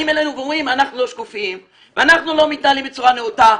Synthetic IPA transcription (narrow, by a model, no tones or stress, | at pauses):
imelenuɡʁuimanaχnuloʃkufiim | veanaχnulo̞mit̪nalimbet͡suʁaneuta